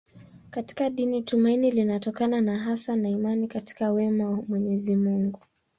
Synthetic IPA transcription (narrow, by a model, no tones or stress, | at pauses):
kati̥kaɗinitumainilinatɔkananaɦasanaimanikati̥kawɛmawamwɛɲɛzimuŋɡu